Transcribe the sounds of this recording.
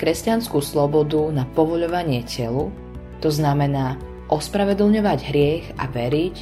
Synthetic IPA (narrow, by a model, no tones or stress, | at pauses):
kɾɛscanskuslɔbɔd̪unapɔʋɔʎɔʋaɲɪɛcɛlu | t̪ɔznamɛnaː | ʔɔspɾaʋɛd̪l̩ɲɔʋaɟɦɾɪɛɣa̰ʋɛɾic